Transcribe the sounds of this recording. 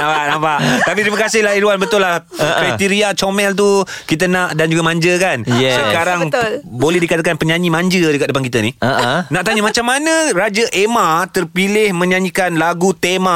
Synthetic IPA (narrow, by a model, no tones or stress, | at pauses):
ãpaʔnapaʔt̪apit̪ɾimakasɪhlahiɾuanbət̪ʊlːah | ʔpɛt̪iɾiat͡ʃomɛlt̪̬u | kit̪̬ənaʔdand͡ʒuɡamãɲd͡ʒəkanjɛsakaɾaŋlbolɛhdikat̪akanpəɲãɲĩmãɲd͡ʒədəkat̪̚dəpankit̪ənihʔnaʔt̪aɲəmãt͡ʃamːanə̃ɾad͡ʒaʔemãt̪ərpilɪhmə̃ɲãɲikanlaɡut̪emã